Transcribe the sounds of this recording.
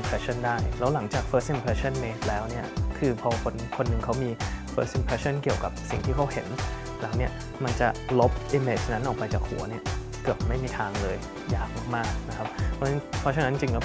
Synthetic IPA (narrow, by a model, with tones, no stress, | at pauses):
pʰɾɛ˦˥t͡ɕʰa˥˩˨ndaː˥˩jlɛː˦˥wla˨˩˦ŋt͡ɕaː˨˩k̚fʰɤː˦˥sʔi˧mpʰɾɛ˧˥t͡ɕʰa˥˩nmeː˦˥s̚lɛː˦˥wni˥˩ɐkʰɯː˧pʰɔː˧kʰo˧nkʰo˧nːɯ˨˩ŋkʰa˦˥wmiː˧fɤː˦˥sʔi˧mpʰɛː˧˥sʰa˥˩nki˨˩əwka˨˩p̚sḭ˨˩ŋt̪ʰiː˥˩kʰa˦˥whe˩˦n | lɛː˨˩˦wni˦˥˩ɐ | ma˧nt͡ɕa˨˩lo˦˥p̚ʔi˦˥meː˨˩t͡ɕna˦˥nʔɔː˨˩pa˧jt͡ɕaː˨˩k̚hṵ˩˦ɐni˥˩ɐ | kɯ˨˩ət̪̚ma˥˩jmiː˧t̪ʰaː˧ŋlɤː˧j | jaː˨˩k̚maː˥˩k̚maː˥˩k̚na˦˥kʰa˦˥p̚ʰːɔ˦˥˦pʰɔ˦˥t͡ɕʰa˧na˦˥t͡ɕi˧ŋkɔ˥˩